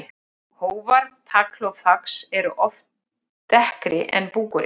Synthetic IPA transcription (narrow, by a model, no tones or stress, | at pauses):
hoːwvaɾt̪ʰakʰlowfaksɛɾʏʔɔft̪ | t̪ɛhkɾʔɪʔɛ̰npuːkʏɾɪ